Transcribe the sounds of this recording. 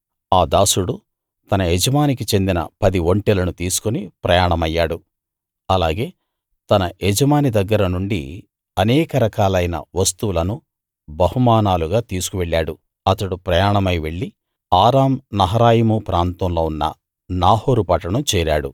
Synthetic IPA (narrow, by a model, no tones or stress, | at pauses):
aːd̪aːsuɽu | t̪ɐnɐed͡ʒɐmaːnikit͡ʃe̞nd̪inɐ̰pɐd̪iʋoɳʈɛlɐnut̪iːsu̥konipɾɐjaːɳɐmɐjːaːɽu | ɐlaːɡe̞ː | t̪ɐnɐed͡ʒɐmaːnid̪ɐɡːɐɾɐnuɳɖḭ | ɐnɛːkɐɾɐkaːlɐjnɐ̰ʋɐst̪uʋulɐnu | bɐhumaːnaːluɡaːt̪iːsu̥kuʋeɭːaːɽu | ɐt̪ɐɽupɾɐjaːɳɐmɐjʋe̞ɭːi | aːɾaːmnɐɦɐɾaːjimupɾaːnt̪ɐmlo̞ːunːɐ̰ | naːhoːɾupɐʈːɐɳɐmt͡ʃɛːɾaːɽṵ